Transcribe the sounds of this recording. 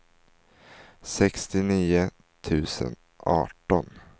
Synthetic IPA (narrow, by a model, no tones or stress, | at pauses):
sɛkst̪ɪniːʊ | t̪ʰʉ̟ːsə̰n | ɑ̰ːʈɔn